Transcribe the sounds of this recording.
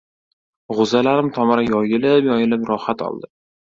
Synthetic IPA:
ʁʊzalaɾɪmt̪ʰɒmaɾajɒjɪlɪpjɒjɪlɪpɾɒhat̪ɒ̰lˠd̪ɪ

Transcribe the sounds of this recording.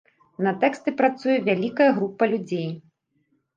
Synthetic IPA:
nɐt̪ɛkst̪ɨpɾat̪sujɛvʲalʲikɐjɐɣɾupːɐlʲud͡zʲej

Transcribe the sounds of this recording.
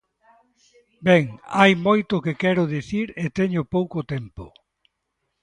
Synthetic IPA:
bɛŋajmojt̪ʊkɪkɛɾʊðiθiɾet̪ɛɲʊpowkot̪ɛmpʊ̰

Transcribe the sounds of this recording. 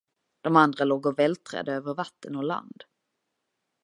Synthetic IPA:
d̪̥ɔmand̪ɾaloːɡɔvɛlt̪ʰɾɛ̰ːd̪əøːvəɾvat̪ːənɔla̰nd̪

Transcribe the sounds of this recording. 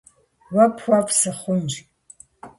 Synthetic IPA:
wɐpʰxʷapsɨχʷʊnd͡ʒʲ

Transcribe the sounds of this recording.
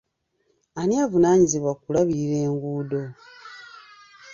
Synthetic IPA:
aniavunaːɲiziβwakulaβiɾe̞ːŋɡuːdo̞

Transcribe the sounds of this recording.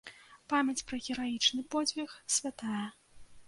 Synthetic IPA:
pamʲɐt͡sʲpɾɐɣʲɛɾajit͡ʂnɨpɔd͡zʲvʲɛxsʲvʲat̪ajɛ

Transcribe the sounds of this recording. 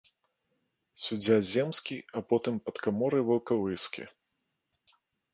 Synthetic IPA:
sʲud͡zʲazʲɛmskʲiɐpɔt̪ɨmpɐt̪kamɔɾɨvɐwkɐvɨskʲḭ

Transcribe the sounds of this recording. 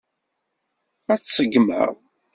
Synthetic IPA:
æt͡sːsəɡmə̰ʁ

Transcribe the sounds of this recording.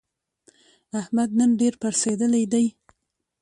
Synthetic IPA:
ahmad̪̚nənɖeɾpaɾsed̪əlajd̪aj

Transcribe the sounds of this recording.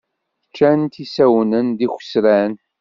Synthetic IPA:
ət͡ʃːænt̪isæwnənd̪ixʷə̥sɾæn

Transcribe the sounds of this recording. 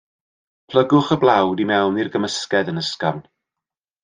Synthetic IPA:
pʰlˠəɡʊχəblˠawdimɛwnirɡəməskɛdənəskamn

